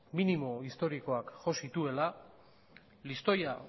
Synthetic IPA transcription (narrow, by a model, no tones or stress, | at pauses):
minimo̞ist̪o̞ɾiko̞akʝo̞sit̪ue̞la | list̪o̞ja